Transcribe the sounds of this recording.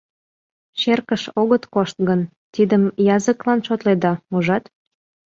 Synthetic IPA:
ɕerkəʃoɣət̪koʃt̪̚ɡən | t̪id̪əmjɑzəklɑnʃot̪led̪ɑuʒɑt̪

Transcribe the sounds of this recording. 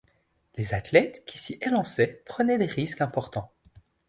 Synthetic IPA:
lezat̪lɛt̪kʲʰisiʔelɑ̃sɛpχənɛd̪eʁiskɛ̃pɔʁt̪ɑ̃

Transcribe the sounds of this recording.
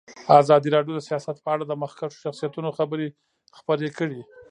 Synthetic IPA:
azɑd̪iɾɑɖjod̪əsijɑsat̪̚pəaɽad̪əməxkaʂo̥ʃaxsijat̪unoxabəɾe | xpəɾekəɽi

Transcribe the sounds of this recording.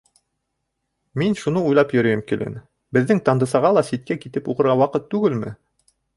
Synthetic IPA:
minʃunɤujlˠɑpjɵ̆ɾɵ̆jɘmkilɘ̰n | bɘ̆ðːɘŋt̪ɑnd̪ɤ̆sɑʁɑlˠɑsit̪̚kækit̪ɘpuʁɤ̆ɾʁɑwɑqɤt̪ːʉɡɘlmɘ̰

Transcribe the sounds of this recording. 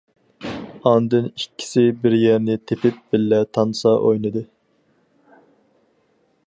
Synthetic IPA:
ɑnd̪ɨnikʲʰːi̥sɪbɪɾjɛɾnɪt̪ʰepɪp̚b̥ɪlːɛt̪ʰɑnsɑʔojnɨd̪ɨ

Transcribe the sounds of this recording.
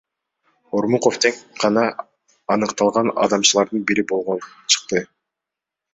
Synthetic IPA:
oɾmuqoft̪ʰeŋqɑnɑː | nɯqt̪ɑlˠʁɑnɑ̰d̪ɑmt͡ʃɯlˠɑɾd̪ɯnbiɾibo̞lˠʁon | t͡ʃʰɯ̥q̚t̪ɯ

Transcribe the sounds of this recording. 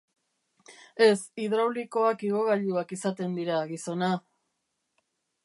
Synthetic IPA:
e̞siðɾawliko̞akiɣo̞ɣaʎuakisat̪e̞nd̪iɾaɣiso̞na

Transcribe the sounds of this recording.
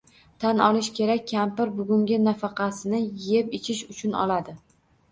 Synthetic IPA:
t̪ʰanɒlɪʃkʲʰe̞ɾakʲːʰampɪɾbʊɡʲʊŋʲɪnafɑqʰɑsɪnɪjepɪt͡ʃʰɪʃʊt͡ʃʰʊnɒ̰lad̪ɪ

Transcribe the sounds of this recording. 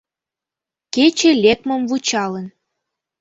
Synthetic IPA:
ket͡ɕelʲek̚məmvut͡ɕɑlən

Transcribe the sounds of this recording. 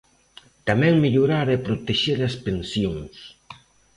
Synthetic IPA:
t̪amɛŋmiʎuɾaɾepɾot̪eʃeɾɐspensjoŋs

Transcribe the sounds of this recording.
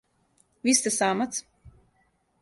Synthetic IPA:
vist̪asaːmat̪s

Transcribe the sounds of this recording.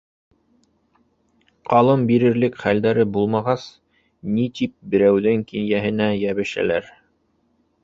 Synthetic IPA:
qɑlˠɤmbiɾɘ̆ɾlɘkχæld̪æɾɘbulˠmɑʁɑs | nit̪ip̚bɘ̆ɾæwðɘŋkinjæɦɘ̆næjæβɘ̆ʃæ̰læɾ

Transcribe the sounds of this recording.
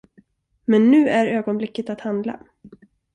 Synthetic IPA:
mɛnːʉ̟ːæɾøːɡɔnblɪkːət̪at̪hand̪la̰

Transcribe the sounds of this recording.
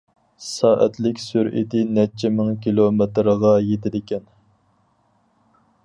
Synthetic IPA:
sɑːʔæ̰t̪lɪkʲsyɾʔḭt̪ɪnɛt͡ʃʰɪmɪŋkʲilˠomet̪ɾəʁɑjet̪ʰɪd̪ɪkʲɛn

